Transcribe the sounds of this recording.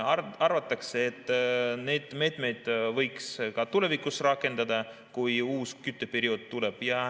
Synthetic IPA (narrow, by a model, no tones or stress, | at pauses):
ɑɑrvɑt̪ːˑɑkseːt̪ːˑne̞jd̪̥me̞ːt̪ˑme̞jd̪̥vɤjkskɑt̪ule̞vikusrɑkːˑe̞nd̪̥ɑd̪̥ɑ | kujuːskyt̪ˑːepeɾio̞d̪̥̚t̪ule̞b̥jɑ